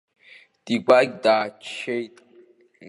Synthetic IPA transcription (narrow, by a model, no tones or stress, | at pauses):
d̥iɡʷaɡʲdaːt͡ʃʰejtʼ